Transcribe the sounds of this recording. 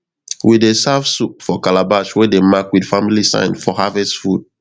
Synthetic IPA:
widesavsup̚fɔkalabaʃwedemakwidfamilisã̰ɪ̃nfɔhavɛsfud̥̚

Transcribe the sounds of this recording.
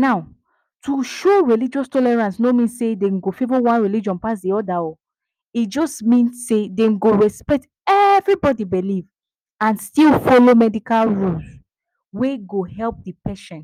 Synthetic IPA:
naʊ | tʰuʃoɹilid͡ʒɔstɔlɛɹãnsnomĩnssedeŋɡofevɔwãnɹilid͡ʒɔ̃npasdiɔdaɔ | it̚d͡ʒɔstmĩnsːedenɡoɹɛspɛk̚t | ɛvɹibɔdibiliv | ãnstilfɔlomɛdikalɹuls | weɡohɛlp̚dipɛʃɛ̃nt

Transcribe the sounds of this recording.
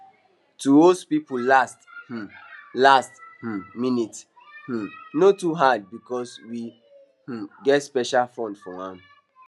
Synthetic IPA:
tuospipulasth̩lasth̩minit | h̩notuɦad̚bikɔswi | h̩ɡɛtspɛʃalfɔ̃ndfɔãn

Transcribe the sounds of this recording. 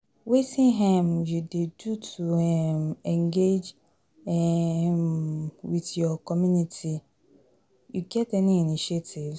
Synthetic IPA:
wetʰɪ̃ŋɦɛ̃mjudedutʰuɛmɛ̃ŋɡed͡ʒ | ɛmwɪθjɔkʰɔmjũnitʰi | juɡɛtɛnĩinĩʃetʰɪv

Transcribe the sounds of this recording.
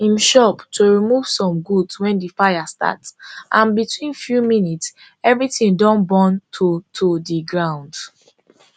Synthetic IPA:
ĩmʃɔptʰoɹimuv̥sɔ̃mɡudswɛ̃ndifajasta̰tsʔãnbitwĩnfjuminits | ɛvɹitĩndɔ̃nbɔ̃ntʰotʰodiɡɹãʊ̃nd

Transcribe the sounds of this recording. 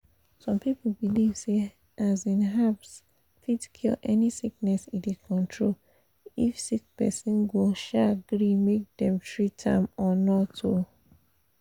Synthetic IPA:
sɔ̃mpip̩bilivse | ʔazĩnɦaps | fitkʰilʔɛ̰nisik̚nɛsididkʰɔ̃ntʰɹol | ifsikpɛsɛ̃nɡoʃaɡɾimek̚dɛ̃mtɹitʰã̰mɔnɔto

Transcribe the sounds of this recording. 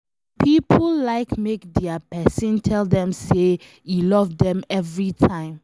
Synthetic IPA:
pʰipʰllaɪkmekdɛapɛsĩntʰɛldɛ̃mse | jilɔvdɛ̃mɛvɹitʰãɪ̃m

